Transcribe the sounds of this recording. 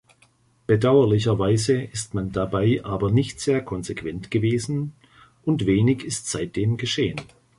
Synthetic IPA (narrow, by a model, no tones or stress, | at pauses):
b̥ədaʊɐlɪç̬ɐvaɪzəɪstmandabaɪʔaːbɐnɪçtz̥eːɐkʰɔnzekv̥ɛntɡ̥əveːzn̩ | ʔʊntv̥eːnɪçɪstz̥aɪt̚d̥eːmɡəʃeːən